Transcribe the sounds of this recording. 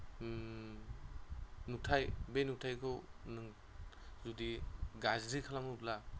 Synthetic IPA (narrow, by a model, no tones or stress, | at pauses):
nutʰajbenutʰajkʰɯwnɯŋ | zudiɡazzikʰalaŋupla